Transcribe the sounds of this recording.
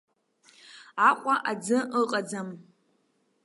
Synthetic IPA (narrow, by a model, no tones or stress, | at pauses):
aqʷʼaʔad͡zɨʔəqʼad͡zam